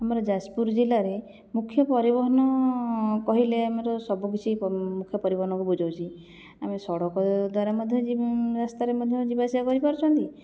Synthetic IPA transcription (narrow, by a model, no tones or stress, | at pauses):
amɔɾɔd͡ʒaspuɾd͡ʒilaɾe | mukʰːjɔpɔɾibɔɦɔnɔ | kɔɦileameɾɔsɔbuk̬it͡ʃʰimukʰːjɔpɔɾibɔɦɔnɔŋkubud͡ʒawt͡ʃʰi | amesɔɽɔkɔd̪waɾamɔd̪ʱjɔd͡ʒiɾast̪aɾemɔd̪ʱjɔd͡ʒibasiakɔɾipɔɾɔt͡ʃʰɔnt̪i